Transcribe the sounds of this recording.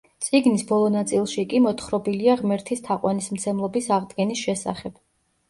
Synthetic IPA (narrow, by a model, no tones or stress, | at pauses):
t̪sʼiɡnisbɔlˠɔnat̪sʼilˠʃikʼimɔt̪ʰχɾɔbiliaʁmɛɾt̪ʰist̪ʰaqʼwanismt̪sʰɛmlˠɔbisaʁd̪ɡɛnisʃɛsa̰χɛb̥